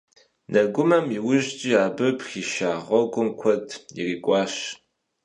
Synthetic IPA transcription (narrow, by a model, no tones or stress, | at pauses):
nʔɐɡʷʊmɐmiwʊʒt͡ʃʼiːaːbɨpxiːʃaːʁʷɔɡʷʊmkʷʰɔdʰʼḭriːkʷʼɑːʃ